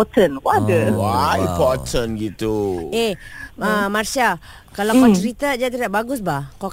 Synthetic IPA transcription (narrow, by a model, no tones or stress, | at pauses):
tənwadəwaĩmpɔtʰənɡit̪ueəmarsia | kalakɔt͡ʃəɾit̪ad͡ʒat̪iaʔbaɡʊsbahka